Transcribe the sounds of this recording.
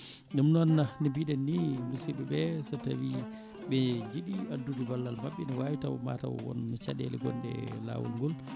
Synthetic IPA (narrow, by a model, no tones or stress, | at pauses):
ɗumnɔnːanibiɗɛnːimisiɓɛbɛsatawi | ɓɛd͡ʒiɗiadːudubalːalmaɓːiniwaːwitawma̰ta̰wwɔ̰nmit͡ʃaɗɛ̰lɛɡɔ̰nɗɛ̰la̰ːwṵlŋɡɔl